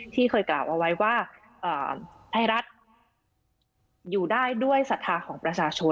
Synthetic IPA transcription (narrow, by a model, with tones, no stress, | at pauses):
t̪ʰiː˥˩kʰɤː˧jklaː˨˩wʔa˧wa˦˥jwaː˥˩ | ʔɤː˨˩ | t̪ʰa˧˩jɾa˦˥t̪̚ | juː˨˩daː˥˩jdu˥˩əjsa˨˩t̪ʰːaː˧kʰɔː˩˦ŋpɾa˧t͡ɕʰaː˧t͡ɕʰo˧